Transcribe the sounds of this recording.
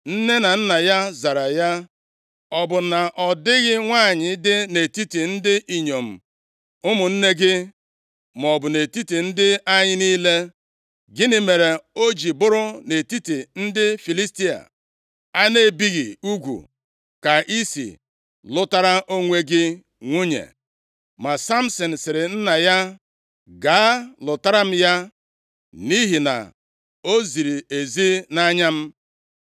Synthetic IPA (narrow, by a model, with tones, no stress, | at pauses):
n̩˦ne˦na˨n̩˦na˨ja˦za˨ɾa˨ja˦ | ɔ˨bʊ˨na˨ʔɔ˨dɪ˦ɣɪ˦ŋʷa˦˨ɲɪ˨˦dɪ˦ne˨ti˦ti˨n̩˦dɪ˦ʔi˨ɲo˨m̩˨ | ʊ˦mʊ˨n̩˦ne˦ɡɪ˦ | m˨ɔ˨bʊ˨ne˨ti˦ti˨n̩˦dɪ˦a˦ɲɪ˦ni˦le˦ | ɡɪ˦nɪ˨me˨ɾe˨o˦d͡ʒi˨bʊ˦ɾʊ˦ne˨ti˦ti˨n̩˦dɪ˦fi˨li˦sti˦a̰˨ | a˦ne˦˨bi˦ɣi˨u˦ɡʷṵ˨ | ka˨i˦sḭ˨ | lʊ˦ta˦ɾa˦ʔo˦ŋʷe˦ɡɪ˦ | ŋʷu˦ɲḛ˨ | ma˨sa˦m̩˦sɔ˨n̩˨sɪ˨ɾɪ˨n̩˦na˨ja˦ | ɡa˨˦lʊ˨ta˦ɾa˦m̩˦ja˦ | ni˦ɦi˨na̰˨ | o˦zi˨ɾi˨e˨zi˦na˦ɲa˦m̩˦